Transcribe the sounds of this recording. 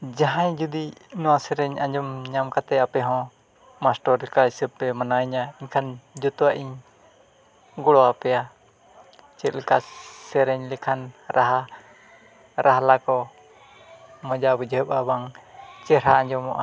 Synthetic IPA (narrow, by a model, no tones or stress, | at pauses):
d͡ʒaɦãɲd͡ʒud̪inɔwasɛɾɛɲãd͡ʒɔmɲamkat̪ɛapɛɦɔ̃ | masʈɔɾkaisəb̚ɛmanaiɲaiɲkʰand͡ʒut̪uwaʔiɲ | ɡɔɽɔapɛja | t͡ʃɛt̪̚lɛkasɛɾɛɲlɛkʰanɾʔaɦa | ɾaɦalakɔ | mɔ̃d͡ʒabud͡ʒɦəpabaŋt͡ʃɛɾaãɲd͡ʒɔmɔʔa